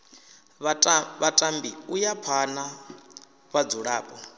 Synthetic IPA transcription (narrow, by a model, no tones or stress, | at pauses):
βatʼambiujapʰana | βad͡zuɺaːpʼɔ